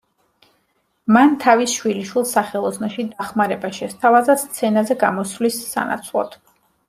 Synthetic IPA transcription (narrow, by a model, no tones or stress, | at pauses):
mant̪ʰavisʃwiliʃwilˠsaχɛlˠɔzsnɔʃid̪aχmaɾɛbaʃɛst̪ʰavazast̪sʰɛnazɛɡamɔsvlisːa̰na̰t̪sʰlˠɔ̰t̪ʰ